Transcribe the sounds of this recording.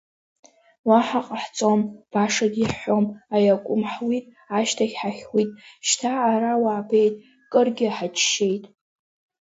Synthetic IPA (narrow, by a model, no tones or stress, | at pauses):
waħaqʼaħt͡sʼomb̥aʂadiħħo̞majakʷʼʊmħwitʼ | aʃtʰaɡʲħaχʲʷitʼʃtʰaːɾawaːbʰe̞jtʼ | kʼɨrɡʲɪħat͡ʃʰʃe̞jtʼ